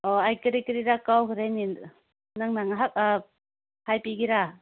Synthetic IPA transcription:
ɔajkɯɾikɯɾiɾakawɦɯɾajni | naŋnaŋaɦak̚ | hajpiɡiɾa

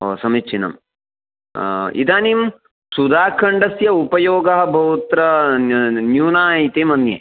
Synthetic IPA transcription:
o̰ːsɐmit͡ʃʰːinɐ̰m | ḭd̪aːnim | sud̪ʱaːkʰɐɳɖɐsjɐupɐjoːɡɐɦɐ̆bʱɐʋut̪ɾɐ | njuːnaːit̪eːmɐnjḛ

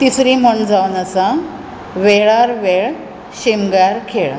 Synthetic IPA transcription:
t̪isɾim̤əɳd͡zaʋwnəsã | ʋeɭaɾʋeɭ | ɕimɡaɾkʰeɭ

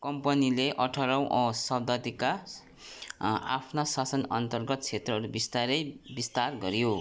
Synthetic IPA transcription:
kʌmpʌnileʔʌʈʰʌɾʌw̃ʔsʌb̚d̪ʌd̪ika | apʰnasasʌnʌ̰nt̪ʌrɡʌt̪̚t͡sʰet̪rʌɦʌɾubist̪aɾʌjbist̪arɡʌɾjo

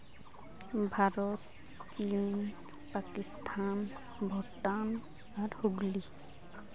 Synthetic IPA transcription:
bʱaɾɔt̪ | t͡ʃin | pakist̪ʰan | bʱɔʈan | aɾhuɡli

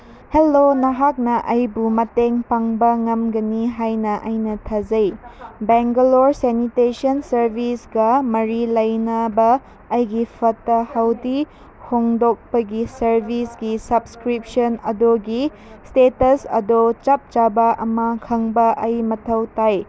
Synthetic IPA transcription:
helːonɐɦak̚nɐʔɐjbumɐteŋpaŋbɐŋɐmɡɐniɦajnɐʔɐjnɐtʰɐd͡ʒɐjbeŋɡɐloɾsenitesɐnsɐɾbʱisɡɐmɐɾilɐjnɐbɐː | jɡipʰɐtːɐhɐwdi | hoŋdok̚pɐɡisɐɾbʱisɡisɐbskɾip̚sɐnɐdoɡi | stetɐsɐ̰dot͡ʃɐp̚t͡ʃabɐʔɐmɐkʰɐŋbɐʔɐjmɐtʰɐwtaj

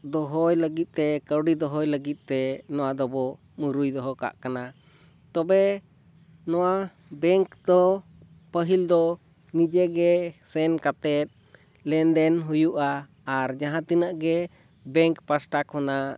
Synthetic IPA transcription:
d̪ɔɦɔjləɡit̪̚ˀt̪ɛkəwɖid̪ɔɦɔjləɡit̪̚t̪ɛnɔwad̪ɔbɔ | muɾujd̪ɔɦɔka̰ʔkana | t̪ɔbɛ | nɔwa | bɛŋkd̪ɔ | pəɦild̪ɔ | nid͡ʒɛɡɛsɛnkat̪ɛt̪̚ | lɛnd̪ɛnɦujuʔaː | ɾd͡ʒaɦãt̪inaʔɡɛ | bɛŋkpasʈakhɔna

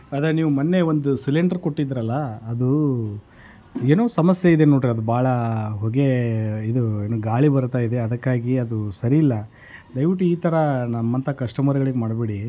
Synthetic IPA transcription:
ɐd̪ɐniːʋumɐnːe̞ʋo̞nd̪usileɳɖɐɾko̞ʈːid̪ɾɐlːɐːd̪u | eːnoːsɐmɐsjɐid̪enoːʈɾeɐd̪ubaːɭɐɦɔɡe̞id̪ueːnoːɡaːɭibɐɾt̪aːjid̪e̞ɐd̪ɐkːaːɡiɐd̪usɐɾiːlːɐ | d̪ɐjʋiʈ̬ːuiːt̪ʰɐɾɐnɐmːɐnt̪ʰɐkɐʂʈɐmɐɾɐɡɐɭiɡemaːɖbiɽi

